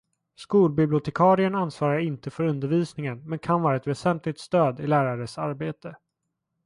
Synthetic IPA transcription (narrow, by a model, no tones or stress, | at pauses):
skuːlbɪblɪʊt̪ʰɛkʰɑːɾɪənansvɑːɾaɾɪnt̪əfœɾɵnd̪əɾviːsnɪŋənmɛnkʰanvɑːɾaɛt̪vɛsɛnt̪ʰlɪt̪st̪øːd̪ɪlæːɾaɾəsaɾbeːt̪ə